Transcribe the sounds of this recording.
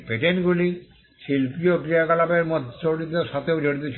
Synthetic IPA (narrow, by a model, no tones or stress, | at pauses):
peʈenɡuli | ʃilpiokɾiakalabeɾmot̪t͡ɕoɽit̪eʃat̪ʰeod͡ʒoɽit̪ot͡ɕʰ